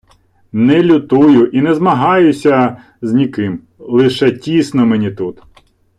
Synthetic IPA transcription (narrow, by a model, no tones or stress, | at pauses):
nɛlʲʊt̪ujʊʔinɛzmɐɦɑjʊsʲɐ | znʲikɪm | lˠɪʃɛtʲisnɔmenʲit̪ut̪